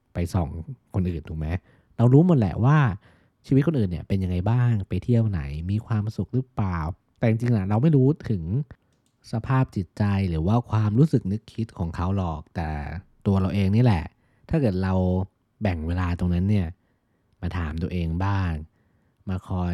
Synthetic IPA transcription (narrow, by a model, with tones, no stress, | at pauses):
pa˧jsɔ̰ː˨˩˦ŋkʰo˧nʔɯː˨˩nt̪ʰuː˨˩k̚ma˦˥j | ɾa˧wɾuː˦˥muː˨˩ə˦lɛ̰˨˩ʔwaː˥˩ | t͡ɕʰiː˧w̪̚kʰo˧nʔɯː˨˩nːḭ˦˥˩pe˧nja˧ŋːa˧jbaː˥˩ŋpa˧jt̪ʰi˥˩əwna̰˩˦jmiː˧kʰwaː˧msu˨˩k̚ɾɯ˦˥plaː˨˩w | t̪ɛː˨˩t͡ɕi˧ŋt͡ɕi˧ŋla˧˩ɾa˧wma˥˩jɾuː˦˥t̪ʰɯ˩˦ŋ | sa˧pʰaː˥˩p̚t͡ɕi˨˩t̪̚t͡ɕa˧jɾɯː˩˦waː˥˩kʰwaː˧mɾuː˦˥sɯ˨˩k̚nɯ˦˥kʰːi˦˥t̪̚kʰɔː˩˦ŋkʰa˦˥wlɔː˨˩k̚t̪ɛː˨˩t̪u˧ɐɾa˧wʔeː˧ŋni˦˥˩lɛ˨˩ʔ | t̪ʰaː˥˩kɤː˨˩t̪̚ɾa˧w | bɛ˨˩ŋweː˧laː˧t̪o˧ŋna˦˥nːi˥˩ɐ | maː˧t̪ʰa̰ː˩˦mt̪u˧ɐʔeː˧ŋbaː˥˩ŋ | maː˧kʰɔː˧j